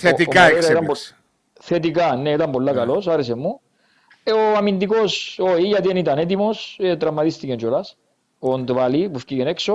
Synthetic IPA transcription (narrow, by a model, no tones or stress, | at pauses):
θet̪ikɐiɾt̪ɐmp | θet̪̬ikɐnːeit̪ɐmbo̞lːɐkɐlo̞saɾes̬emːu | oɐmind̪iko̞soiʝɐt̪ienit̪ɐnet̪̬imo̞set̪ɾɐmːɐt̪ist̪ikent͡ʃolɐs | ond̪valipufcicenekso